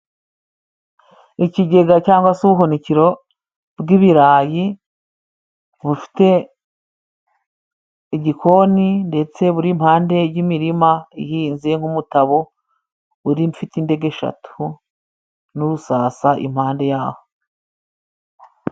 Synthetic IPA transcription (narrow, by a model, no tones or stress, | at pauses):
iciɟe̞ɡacaːŋɡwasuβuɦoniciɾo̞ | bɡiβiɾaːji | βufi̥te̞ | iɟikʰo̞ninde̞t͡se̞βuɾimhaːnde̞jimiɾimaijiːnzeŋ̥humutaβo̞ | uɾimfitinde̞ɡe̞ʃa̰tʰu | nuɾusaːsaʔḭmhaːnde̞jaːho̞